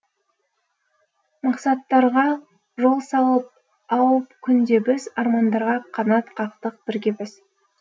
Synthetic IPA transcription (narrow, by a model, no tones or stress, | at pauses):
mɑqsɑt̪ːɑɾʁɑ | ʒo̞lˠsɑlˠəp̚ | ɑwəpkʲʰʏnd̪e̞bɪzɑɾmɑnd̪ɑɾʁɑqʰɑnɑt̪qʰɑqt̪əq̚bɪɾɡʲe̞bɪz̥